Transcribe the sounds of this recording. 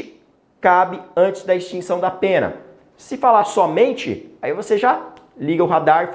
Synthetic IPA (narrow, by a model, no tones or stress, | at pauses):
ɪ | kabɪɐ̃nt͡ʃɪzd̪ɐɪst͡ʃĩsɐ̃w̃d̪ɐpẽnɐ̰ | sɪfalasɔmẽnt͡ʃɪ̰aivoseʒa | liɡɐʊɦad̪aɾɪf